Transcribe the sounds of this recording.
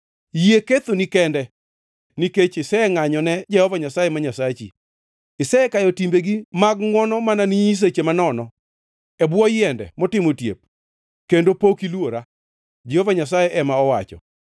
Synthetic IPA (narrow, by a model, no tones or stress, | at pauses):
jeket̪onikɛndɛ | niket͡ʃɪsɛŋaɲɔnɛd͡ʒɛhɔvaɲasajemaɲasat͡ʃḭ | ɪsɛɛkajɔtimbeɡimaɡŋwɔnɔmananiɲis̬et͡ʃemanɔnɔ | ɛbwɔjɪɛndɛ̰mɔtɪmotjep̚ | kendopokilwoɾa | d͡ʒɛhɔvaɲas̬ajeʔɛmaɔwat͡ʃɔ̰